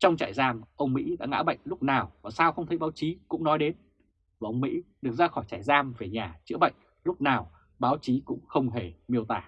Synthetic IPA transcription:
t͡ɕɔ˧wŋ͡mt͡ɕa̰ː˧˩jzaː˧mʔə˧wŋ͡mmḭ˧˥ɗa̰ː˧˥ŋa̰ː˧˥ɓə̰˧˨jŋ̟lʊ˦˥k͡p̚naː˨˩wvaː˨˩saː˧wxə˧ŋ͡mt̪ʰjɓaː˨˦wt͡ɕi˨˦kʊ̰˧˥ŋ͡mnɔ˨˦jɗe˨˦n | vəː˨˩ʔə˧wŋ͡mmḭ˧˥ɗɨ˨˩ək̚zaː˧xɔ˧˩jt͡ɕaː˧˩jzaː˧mve˨˩ɲaː˨˩t͡ɕɨ̰˧˥əɓə̰˧˨jŋ̟ | lʊ˦˥k͡p̚naː˨˩w | ɓaː˨˦wt͡ɕi˨˦kʊ̰˧˥ŋ͡mxə˧wŋ͡mɦe˧˩mi˧əwt̪aː˧˩

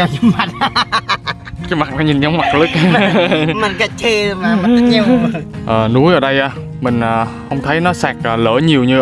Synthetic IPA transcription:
a˨˩ɲ˧˦ma˨˩t̚ | ki˨˧˦ma˨˩k̚na˨˦ɲi˨˩nɲə˨˦wŋ͡mma˨˩k̚lɨ˦˥k̚ | ma˨˩ka˧˩t͡ɕe˧ma˨˩ɲi˧˩ʔəː˨˩nu˨˦jʔəː˧˩ɗə˧jʔaː˧˩ | mï˨˩ŋ̟ʔəː˨˩hə˧wŋ͡mt̪ʰə˨˦jnɔ˨˦saː˨˩k̚ʔəː˨˩ləː˧˩ɲi˨˩əwɲɨ˧

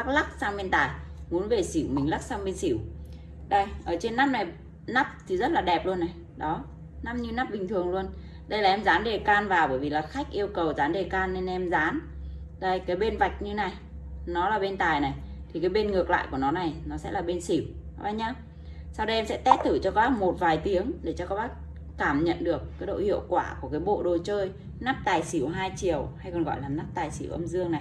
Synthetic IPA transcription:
a˦˥k̚la˦˥k̚saː˧ŋɓe˧nt̪aː˨˩jmu˨˦ənve˨˩si˧˩wmï˨˩ŋla˦˥k̚saː˧wɓe˧nsi˧˩w | ɗa˧˩jʔəː˧˩t͡ɕe˧nːa˦˥m̚na˨˩j | na˦˥p̚t̪ʰi˨˩zə˦˥t̚laː˨˩ɗɛ˨˩p̚lu˧ənːa˨˩j | ɗɔ˨˦ | na˦˥mɲɨ˧na˦˥p̚ɓï˨˩ŋt̪ʰɨ˨˩əŋlu˧ən | ɗə˧jlaː˨˩ʔɛ˧mzaː˨˦nɗe˨˩kaː˧nvaː˨˩wɓəː˧˩jvi˨˩laː˨˩xa˦˥jk̟̚ʔi˧əwkə˨˩wzaː˨˦nɗe˨˩kaː˧nːe˧nʔɛ˧mzaː˨˦n | zə˧jkaː˨˦jɓe˧nva˨˩jk̟̚ɲɨ˧na˨˩j | nɔ˨˦laː˨˩ɓe˧nt̪aː˨˩jna˨˩jt̪ʰi˨˩kaː˨˦jɓe˧nŋɨ˨˩ək̚la̰ː˧˨jku˧˩ənɔ˨˦na˨˩jnɔ˨˦sɛ̰˧˥laː˨˩ɓe˧nsi˧˩w | ʔa˧˩jɲaː˧ | sa˧wɗə˧ʔɛ˧msɛ̰˧˥t̪ɛ˦˥t̚t̪ʰɨ˧˩t͡ɕɔ˧kɔ˨˦ɓaː˦˥p̚mo˨˩t̚vaː˨˩jt̪i˨˦əŋɗe˧˩t͡ɕɔ˧kɔ˨˦ɓaː˦˥p̚ | kaː˧˩mɲə̰˧˨nɗɨ˨˩əkːaː˨˦jɗo̰˧˨hḭ˧˨əwkwaː˧˩ku˧˩əkaː˨˦jɓo̰˧˨ɗo˨˩jt͡ɕəː˧j | naː˦˥p̚t̪aː˨˩jsi˧˩wɦaː˧jt͡ɕi˨˩əwha˧jkɔ˨˩nɣɔ̰˧˨jlaː˨˩mnaː˦˥p̚t̪aː˨˩jsi˧˩əwʔə˧mzɨ˧əŋna˨˩jj

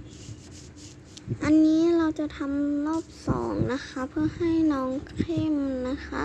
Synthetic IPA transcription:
ʔa˧˨nːiː˦˧˥ɾa˧wt͡ɕa˧˨t̪ʰa˧˥mlɔː˥˩p̚sɔ̰ː˩˦ŋna˧˥kʰa˧˥pʰɯ˧˥˩ɐha˥˩jnɔː˧˥ŋkʰe˧˥˨mna˧˥kʰa̰˦˧˥

